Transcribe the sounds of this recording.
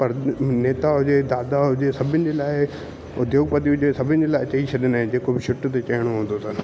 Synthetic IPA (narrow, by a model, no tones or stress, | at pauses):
pɐɾneːt̪aɦʊd͡ʑed̪aːd̪aɦʊd͡ʑesɐbʱɪnɪ̆d͡ʑeːlaːɪ | ʊd̪joːɡpɐt̪iɦʊd͡ʑesɐbʱɪnɪ̆d͡ʑelaːɪɐt͡ɕəit͡ɕʰɐɗɪnɦɪ̃d͡ʑeːkobɪʃʰʊʈt̪et͡ɕɐjəɽ̃oɦũːd̪ot̪ʰɐnɪ